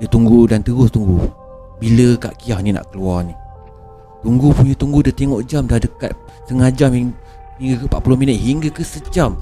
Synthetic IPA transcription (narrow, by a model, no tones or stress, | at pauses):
dət̪uŋɡudant̪əɣʊst̪uŋɡu | biləka̰ʔkiahninã̰ʔkəluarni | t̪uŋɡupuɲət̪uŋɡudət̪eŋoʔd͡ʒamdahdəka̰t̪̚ | səŋad͡ʒami | hiŋɡəkəpa̰ʔpulʊhminət̪̚ɦiŋɡəkəsəd͡ʒam